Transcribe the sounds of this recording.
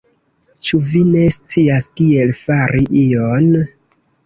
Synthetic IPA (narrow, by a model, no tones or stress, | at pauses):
t͡ʃuvine̞st͡siastie̞lfaɾiʔion